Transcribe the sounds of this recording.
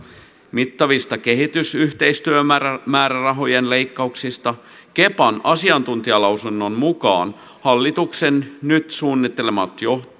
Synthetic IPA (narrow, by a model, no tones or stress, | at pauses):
mit̪ːɑʋist̪ɑke̞ɦit̪ysyht̪e̞ist̪yøææmæːɾærɑɦo̞jenlejkːɑuksist̪ɑ | ke̞pɑnɑsiɑnt̪unt̪iɑlɑwsunːo̞nmukɑ̰ːn | hɑlːit̪ukse̞nnyt̪suːnːit̪ːelemɑt̪jo̞